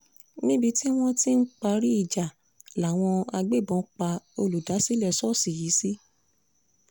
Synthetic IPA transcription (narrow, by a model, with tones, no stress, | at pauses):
nĩ˦bi˧ti˦w̃ɔ̃˦ti˦n̩˦k͡pa˧ɾi˦i˦˨d͡ʒa˨ | la˨w̃ɔ̃˧a˧ɡ͡be˦˨bɔ̃˨˦k͡pa˧o˧lu˨da˨˦si˦lɛ˦˨sɔ˦˨si˨ji˨˦si˦